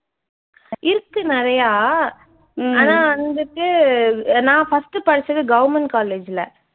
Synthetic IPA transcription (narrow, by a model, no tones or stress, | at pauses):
ʔɪɾɯkːɯnɪɾɐjaː | aːnaːɐnd̪ɯkːɯ | nãːfɐsʈɯpɐɽɪt͡ʃːɐðɯɡɐʋɐɾmɛɳʈkaːleːd͡ʒɪlɐ